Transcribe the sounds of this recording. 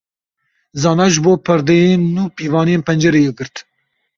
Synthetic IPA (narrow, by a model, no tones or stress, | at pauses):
zɑːnɑʒɨboːpʰɨɾd̪ejeːnːuːpiːvɑːnijeːnpɛnd͡ʒɛɾejeɡɨɾt̪